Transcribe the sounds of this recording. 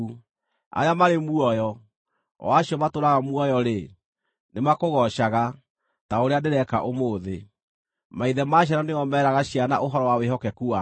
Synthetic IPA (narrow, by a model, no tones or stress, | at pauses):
u | a̰jamaɾemuɔjɔ̰ | waɕiɔmatoɾaɣamuɔjɔɾe | nemakoɣɔʃaɣa | taoɾeandeɾɛka̰ʔomoːðe | maiðɛmaːɕ̬janɔneɔmɛːɾaɣaɕiana̰ʔoɦɔɾɔwaweɦɔkɛkua